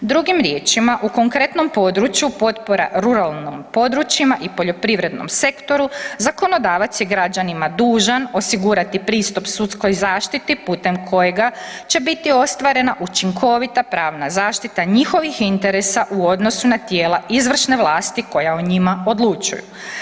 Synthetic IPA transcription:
d̪ɾuɡimɾje̞ːt͡ʃimaʔukoŋkɾe̞t̪no̞mpo̞d̪ɾut͡ɕjupo̞t̪po̞ɾa̰ɾuɾalˠnompo̞d̪ɾut͡ʃimaʔipo̞ʎo̞pɾiʋɾed̪no̞̰mse̞kt̪o̞ɾuzako̞no̞d̪aːʋat̪sjeɡɾad͡ʒanimad̪uːʒano̞siɡuɾat̪ipɾiːst̪upsut̪sko̞jzaːʃt̪it̪iput̪e̞mkʰo̞jeɡat͡ʃe̞bit̪io̞st̪ʋaɾe̞naʔut͡ʃiŋkʰo̞ʋit̪apɾaːʋnazaːʃt̪it̪aɲixo̞ʋixint̪e̞ɾe̞saʔuo̞d̪no̞sunat̪jeːlaʔizʋr̩ʃne̞ʋlˠaːst̪iko̞jaoɲimao̞d̪lˠut͡ʃṵjṵ

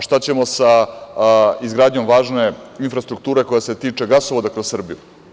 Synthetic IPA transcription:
ʃt̪at͡ɕe̞mo̞sa | izɡɾaːd̪ɲo̞mʋaːʒne̞infɾast̪ɾuk̚t̪uːɾe̞ko̞jase̞t̪iːt͡ʂe̞ɡasoʋod̪akɾossr̩biju

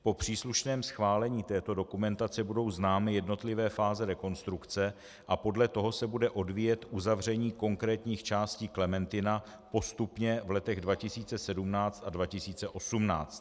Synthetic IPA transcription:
po̞pr̝̥iːsluʃnɛːmsxvaːlɛɲiːt̪ɛːt̪o̞do̞kumɛnt̪at͡sɛbudo̞wznaːmɪjɛdno̞t̪lɪvɛːfaːzɛɾɛko̞nst̪ɾukt͡sɛ | ʔapo̞dlɛt̪o̞ɦo̞sɛbudɛʔo̞dvijɛt̪ʔuzavr̝ɛɲiːko̞ŋkɾɛːt̪ɲiːxt͡ʃaːsciːklɛmɛnt̪ɪna | po̞st̪upɲɛvlɛt̪ɛɣdvacɪsiːt͡sɛsɛdumnaːt͡st̪advacɪsiːt͡sɛʔo̞sumna̰ːt͡st̪

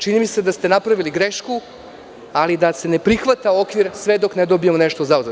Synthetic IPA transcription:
t͡ʃinimised̪ast̪e̞napɾaʋiliɡɾeʃku | alid̪ase̞ne̞pɾixʋat̪ao̞kʋiɾsʋe̞d̪o̞kned̪o̞biemone̞ʃt̪ozauze

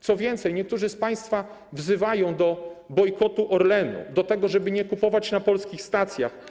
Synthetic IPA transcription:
t̪sɔvʲjɛnt̪sɛjɲɛkt̪uʐɘspaj̃st̪fa | vzɘvajɔ̃w̃d̪ɔbɔjkɔt̪uʔɔɾlɛnṵd̪ɔt̪ɛɡɔʐɛbɘɲɛkupɔvat͡ɕnapɔlskʲixst̪at̪sʲja̰x

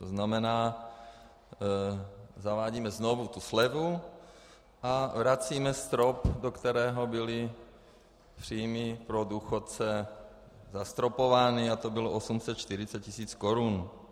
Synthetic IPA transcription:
t̪oznamɛnaː | zavaːɟiːmɛznovut̪uslɛvu | ʔavɾat͡siːmɛst̪ɾopdokt̪ɛɾɛːɦobɪli | pr̥iːjmipɾoduːxot̪̚t͡sɛ | zast̪ɾopovaːniat̪obɪloʔosumsɛt̪̚t͡ʃt̪iɾɪt͡sɛt̪̚cisiːt͡skoɾun

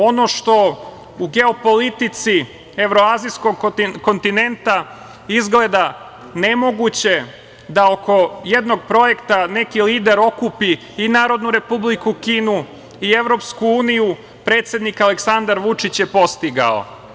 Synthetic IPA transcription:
o̞no̞ʃt̪o̞ | uɡe̞o̞po̞lit̪it̪si | e̞ʋɾo̞aːzijsko̞ɡko̞nt̪ine̞nt̪a | izɡle̞d̪a | ne̞mo̞ɡut͡ɕe̞ | d̪aoko̞je̞d̪no̞ɡ̚pɾo̞je̞kt̪ane̞kiliːd̪eɾo̞kupi | inaːɾo̞d̪nuɾe̞publikukiːnu | ie̞ʋɾo̞pskuuːniju | pɾe̞ːt̪sje̞d̪nikaleksand̪aɾʋut͡ʂit͡ɕjepo̞st̪iɡa̰o̰

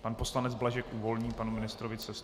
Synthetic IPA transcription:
panpo̞slanɛd͡zblaʒɛkʔuːvo̞lɲiːpanumɪnɪst̪ɾovɪt͡sɛs

